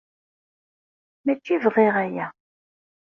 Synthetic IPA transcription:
mæt͡ʃːivʁeʁæjæ

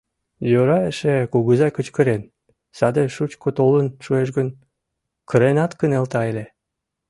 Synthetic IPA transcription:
jøɾɑeʃekuɣəzɑkət͡ɕkə̆ɾen | sɑd̪eʃut͡ɕkot̪olənʃueʃ̬ɡən | kə̆ɾenɑt̪kənelt̪ɑele

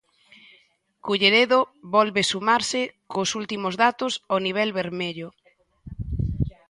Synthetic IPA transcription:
kuʎeɾeðoβɔlβesumaɾsɪkosult̪imozðat̪ʊsoniβ̞ɛlβeɾmeʎʊ

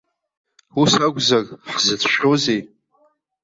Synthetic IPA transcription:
usaɡʷzarʼħzɨt͡sʰʃᶣozej

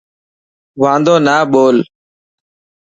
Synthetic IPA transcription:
ʋãːnd̪oːnaːɓoːl

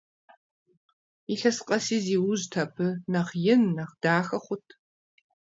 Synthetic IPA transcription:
iɬɐsqʼɐsiːziːwʊztʰɐpʰɨnɐχjɪnːɐχd̥aːxɐχʷʊtʰ

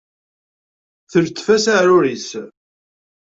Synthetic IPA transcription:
θəɾt͡s̪ːfæsaɾʊɾis

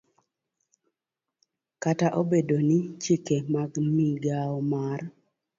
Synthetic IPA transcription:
kataʔobedonɪt͡ʃikemaɡmiɡaɔmar

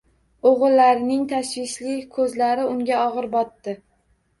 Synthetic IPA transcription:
oʁɨlːaɾɪnɪŋt̪ʰaʃvɪʃlɪkʰɵzlaɾɪʊŋɡʲaɒʁɨɾbɒt̪ːɪ

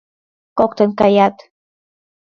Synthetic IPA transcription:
kokt̪eŋkajat̪

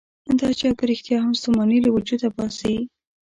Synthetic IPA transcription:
nd̪ɑt͡ʃɑkəɾɪxt̪jɑɦamst̪omɑnilawʊd͡ʒud̪abɑsaji

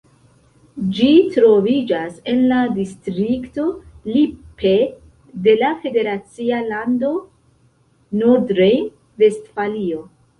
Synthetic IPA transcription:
d͡ʒitɾo̞vid͡ʒase̞nladistɾikto̞lipe | de̞lafe̞de̞ɾat͡sialando̞ | nodɾej | ve̞stfalio̞

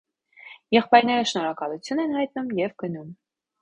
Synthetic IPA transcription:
jɛχpɑjɾnɛɾəʃnɔɾɑkɑlut͡sʰjunɛnhɑjt̪̚numjɛvɡənum

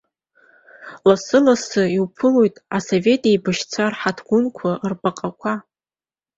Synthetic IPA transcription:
lasɨlasɨiwpʰɨlojtʼasove̞tʼebɨʃt͡sʷʰarħatʰɡʷʊnkʷʰarpʼaqʼakʷʰa

